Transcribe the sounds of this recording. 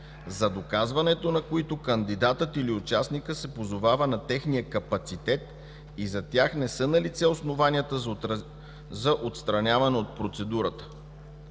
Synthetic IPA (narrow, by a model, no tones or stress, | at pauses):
zɐd̪okazvɐnɛt̪onɐkoit̪okənd̪id̪at̪ət̪iliʊt͡ʃasnikəsɛpozovavənɐt̪ɛxnijəkɐpɐt̪sit̪ɛt̪̚ | izɐt̪ʲjaxnɛsənɐlit̪sɛosnovanʲiət̪ə | zɐʔot̪st̪ɾɐnʲavɐnɛot̪̚pɾot̪sɛd̪uɾət̪ə̥